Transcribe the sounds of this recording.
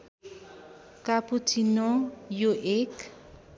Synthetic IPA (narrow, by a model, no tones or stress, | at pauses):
kaput͡sinɔjoʔek